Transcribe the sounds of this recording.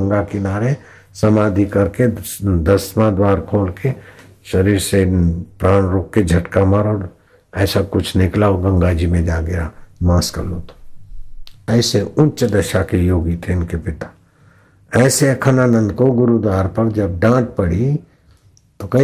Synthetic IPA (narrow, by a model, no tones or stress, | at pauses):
ŋɡakɪnaːɾe | sɐmaːd̪ʱikɐɾked̪ɐsmãd̪waːɾkʰoːlke | ʃɐɾiːɾsepɾaːñɾoːkːed͡ʒʱɐʈkamaɾɔːɾ | ɛːsakʊt͡ʃʰnɪklaːoɡɐ̃ŋɡaːd͡ʒimẽd͡ʒaːɡɐjamãːskə̰loːt̪o̥ | ɛːseʊnt͡ʃd̪ɐʃakejoːɡit̪ʰeɪnkepɪt̪a | ɛːsekʰɐnanə̃nd̪koɡʊɾud̪waːɾpɐɾd͡ʒɐb̚ɖãːʈ̪̚pɐɽ̤i | t̪okɐ